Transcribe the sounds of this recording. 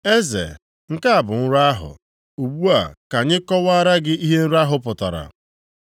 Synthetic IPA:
e˦zḛ˨ | ŋ̩˦ka˦a˨bʊ˨ŋ̩˦ɾa˦ɦʊ̰˨ | u˨ɡ͡bu˦a˨ka˨ɲɪ˦kɔ˦wa˦ɾa˦ɡɪ˦i˦ɦe˦n̩˦ɾa˦ɦʊ˦pʊ˨ta̰˨ɾa̰˨

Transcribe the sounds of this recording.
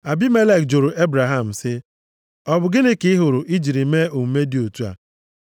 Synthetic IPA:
a˨bi˦me˦le˦˨k̚d͡ʒo˨ɾʊ˨ʔe˦bɾa˨ɦa˦˨m̩˨sɪ˦ | ɔ˨bʊ˨ɡɪ˦nɪ˦kɪ˦ɦʊ˨ɾʊ˨ʔi˦d͡ʒi˨ɾi˨me˦u˨m̩˦me˦di˨˦o˨tu˦a̰˨

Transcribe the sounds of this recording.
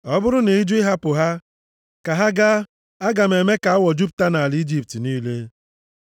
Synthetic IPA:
ɔ˦bʊ˦ɾʊ˦ne˨i˦d͡ʒu˦ɪ˦ɦa˦pʊ˨ɦa˦ | ka˨ɦa˦ɡa˦ | a˦ɡa˨me˨me˦ka˨a˦wɔ˨d͡ʒu˦p̬ʊ̥˨ta˦na˨a˨li˦d͡ʒi˦p̚ti˨niː˦le˦

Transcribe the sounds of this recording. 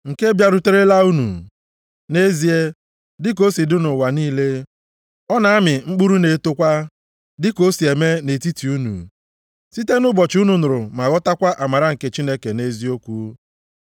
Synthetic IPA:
ŋ̩˨ke˦bja˦ɾʊ˦te˦ɾe˦la˦u˦nṵ˨ | ne˦zi˦e˦ | dɪ˦k̬o˦si˨dʊ˦nʊ˨wa˨niː˦le˦ | ɔ˦na˨a˦mɪ˨ŋ͡m̩˦k͡pu˦ɾu˦ne˨˦tʊ˦kʷa˦ | dɪ˦ko˦si˨e˨me˦ne˨ti˦ti˨u˦nṵ˨ | si˦te˦nʊ˦bɔ˨t͡ʃu˦nu˨nʊ˨ɾʊ˨ma˨ɣɔ˦ta˦kʷa˦ʔa˨ma˨ɾa˦ŋ̩˨ke˨t͡ʃi˦ne˦ke˨ne˦zi˦o˦kʷu˦

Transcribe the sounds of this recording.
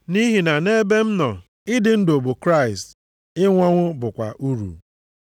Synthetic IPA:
ni˦ɦi˨na˨ne˦be˦m̩˦nɔ˨ | ɪ˦dɪ˨n̩˦do˨bo˨kɾa˦˨ɪ˨st | ɪ˦ŋʷɔ˦ŋʷʊ˦bʊ˨kʷa̰˨ʔu˦ɾṵ˨

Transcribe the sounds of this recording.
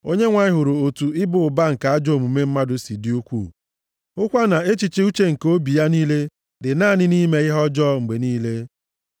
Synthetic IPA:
o˦ɲe˦ŋʷa˨ɲɪ˦ɦʊ˨ɾo˨o˨tu˨ɪ˦bʊ˨ʊ˨ba˦ŋ̩˨ka˨a˦d͡ʒo˦˨mu˨me˦m̩˦ma˦dʊ˦si˨di˦u˦kʷṵ˦˨ | ʊ˦kʷa˦na˨e˦t͡ʃi˨t͡ʃɪ˦u˦t͡ʃe˦ŋ̩˨ko˦bi˨ja˦niː˦le˦ | dɪ˨na˦˨nɪ˦niː˦me˦ɪ˦ɦɔ˦d͡ʒɔ˦ŋ̩˨ɡ͡be˨niː˦le˦

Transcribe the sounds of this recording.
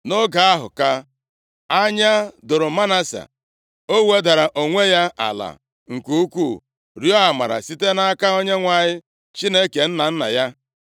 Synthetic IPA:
no˦ɡa˨a˦ɦʊ̰˨ka˦ | a˦ɲa˦dʊ˨ɾʊ˨ma˦na˦sa̰˨ | o˦we˦da˨ɾa˨ʔo˨ŋʷe˦ja˦a̰˨la̰˨ | ŋ̩˨ku˦u˦kʷu˦˨ | ɾjɔ˦a˨ma̰˨ɾa̰˨si˦te˦na˦a˦ka˦o˦ɲe˦ŋʷa˨ɲɪ˦ | t͡ʃi˦ne˦ke˨n̩˦na˨n̩˦na̰˨ja˦

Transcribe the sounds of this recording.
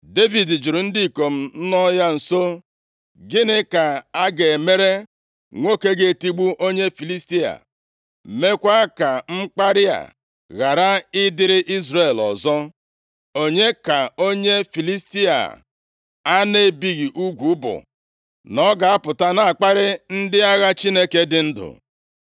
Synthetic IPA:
de˦vi˨dd͡ʒu˨ɾu˨n̩˦di˦˨ko˨m̩˦n̩˦nɔ˦ja˦n̩˨so˦ | ɡɪ˦nɪ˦ka˨a˦ɡe˨me˦ɾe˦ | ŋʷo˦ke˦ɡe˨ti˦ɡ͡bu˦ʔo˦ɲe˦fi˨li˦sti˦a̰˨ | me˦kʷa˦ka˨ŋ͡m̩˦k͡pa˦ɾɪ˦a̰˨ | ɣa˨ɾa˦ɪ˦dɪ˦ɾɪ˦ʔi˦zɾe˨lɔ̰˨zɔ˦ | o˦ɲe˦ka˨o˦ɲe˦fi˨li˦sti˦a̰˨ | a˦ne˦bi˦ɣi˨ʔu˦ɡʷu˨ʊ˦bʊ̰˨ | nɔ˦ɡa˨a˦pʊ˨ta˦na˨a˨k͡pa˦ɾɪ˦n̩˦dɪ˦a˦ɣa˦t͡ʃi˦ne˦ke˦dɪ˨n̩˦dʊ̰˨

